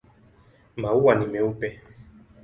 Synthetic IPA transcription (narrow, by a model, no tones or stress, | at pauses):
mauwanimɛupɛ